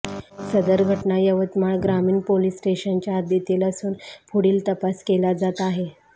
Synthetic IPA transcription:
səd̪əɾɡʱəʈnajəʋət̪maɭɡɾamiːnpolisʈeɕənt͡ɕjaːd̪et̪iləsuːnpʰuɽiːlt̪əpaskelad͡zat̪aɦe

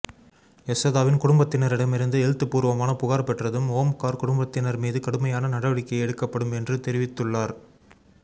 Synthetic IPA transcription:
ɛsɐðaːʋɪnkʊɽʊmbɐt̪ːɪnɐɾɪɽɐmɪɾɯnd̪ɯɛɻt̪ːɯpːuːɾʋɐmaːnɐpʊɣaːɾɐpɛʈrɐðɯmoːmkaːɾkʊɽʊmbɐt̪ːɪnɐɾmiːðɯkɐɽɯmɐjaːnɐnɐɽɐʋɐɽɪkːɐjɛɽɯkːɐpːɐɽɯmɛndrɯt̪ɛɾɪʋɪt̪ːɯɭːaːɾ

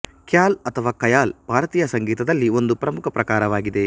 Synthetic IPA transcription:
kjaːlɐt̪ʰɐʋaːkɐjaːlbʱaːɾɐt̪iːjɐsɐŋɡiːt̪ɐd̪ɐlːio̞nd̪upɾɐmukʰɐpɾɐkaːɾɐʋaːɡid̪e̞

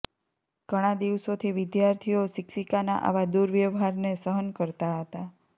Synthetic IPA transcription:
ɡ̥əɽ̃ad̪iʋsot̪ʰiʋɪd̪jaɾt̪ʰijosɪksikana̰ʔa̰ʋad̪uɾʋjəʋɦaɾnesəɦənkəɾt̪aɦət̪a

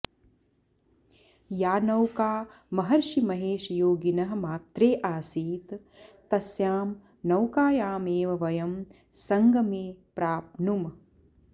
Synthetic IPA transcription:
jaːnɐwkaː | mɐɦɐɾʃimɐɦeːʃɐjoːɡinɐɦɐ̆maːt̪ɾeːʔaːsiːt̪ | t̪ːɐsjaːm | nɐwkaːjaːmeːʋɐʋɐjɐm | sɐŋɡʱɐmeːpɾaːpnum

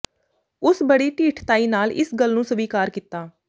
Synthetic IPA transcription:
ʊsbəɽiːʈiːʈʰt̪aːiːnaːlɪ̰sɡəlnũːsəbiːkaːɾkit̪ːaː

